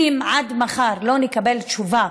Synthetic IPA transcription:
imʕad̪maχaɾlo̞nekabe̞lt͡ʃuva

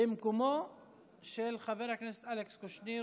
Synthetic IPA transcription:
emkomo | ʃelχaveʁhakneset̪alekskoʃni

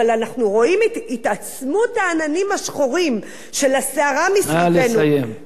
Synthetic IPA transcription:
alanaχnuʁo̞imitat͡smutaːnanimaʃχoʁim | ʃe̞laseaʁamisalesnajem

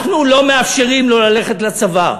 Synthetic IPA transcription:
χnulo̞me̞afʃe̞ʁimlo̞lale̞χet̪lat͡sava

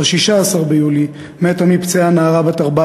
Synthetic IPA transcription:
ʃiʃaːsaʁbejuli | metamipt͡seanaːʁabat̪aʁba

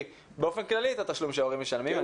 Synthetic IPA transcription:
beo̞fe̞nklaliet̪at̪aʃlumʃeoʁimːeʃalmima

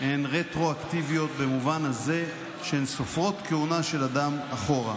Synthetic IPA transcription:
ʔenʁet̪ʁo̞akt̪ivijo̞t̪̚bemuvanaze̞ | ʃeensofʁo̞t̪keunaʃe̞lad̪amaχo̞ʁa̰

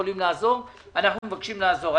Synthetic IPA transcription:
olimlaːzo̞ʁ | anaχnumevakʃimlaːzo̞ʁa

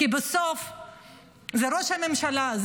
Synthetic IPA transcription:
ibesof | zeɾoʃhame̞mʃalaz

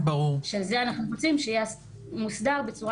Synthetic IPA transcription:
baʁuʁʃezeanaχnuʁo̞t͡simʃejeas | musdaʁbe̞t͡suʁa

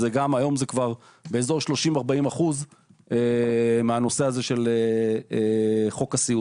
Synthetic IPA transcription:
zeɡamajo̞mzekvaʁ | be̞ːzo̞ʃlo̞ʃimaʁbaimaχuzemeano̞seaze̞ʃe̞leeχo̞kasiu

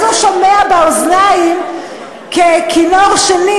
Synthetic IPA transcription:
zuʃomeabalznajim | kekʰinoʁʃeni

